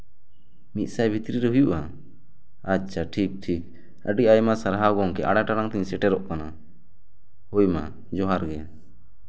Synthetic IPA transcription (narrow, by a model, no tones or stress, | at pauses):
mit̪̚sajbʱit̪ɾiɾɛɦujuʔa | atːt͡ʃʰʃʰaʈʰik̚ʈʰik | əɖiʔajmasaɾɦawɡɔŋkɛʔaɽaʈaɽaŋt̪iɲsɛʈɛɾɔʔkana | hujma̰ | d͡ʒɔɦaɾɡɛ